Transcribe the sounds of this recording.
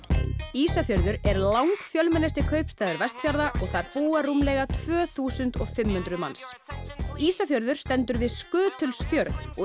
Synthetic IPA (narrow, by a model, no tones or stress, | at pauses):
iːsafjœɾðʏɾɛɾlawŋkfjœlmɛnajst̪ɪkʰœɥpst̪aːjðʏɾvɛst̪fjaɾðaʔɔɣθaɾ̥fuːarumlɛːɣat̪ʰv̥œːθuːsʏnt̪ɔɣfɪmhʏnt̪ɾʏðma̰ns | iːsafjœɾðʏɾ̥st̪ɛnt̪ʏɾvɪðskʏːt̪ʰʏlsfjœɾθɔ